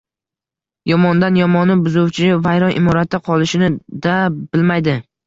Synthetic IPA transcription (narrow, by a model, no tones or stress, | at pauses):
jɒmɒnd̪anjɒmɒnɪbʊzʊwt͡ʃʰɪvajɾɒnʔɪ̰mɒɾat̪ʰːɪqʰɒlˠɪʃɪnɪd̪ab̥ɪlmajd̪ɪ